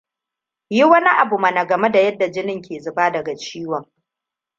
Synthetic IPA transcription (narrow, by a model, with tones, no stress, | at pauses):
ji˦wɐ˦ni˦ʔa˨bu˨mɐ˨na˨ɡɐ˨me˦da˨jɐ˦dːa˨d͡ʒɪ˦nɪ˦ŋkʲʰeː˨zʊ˨baː˦dɐ˨ɡa˨t͡ʃiː˦wɔ˨ŋ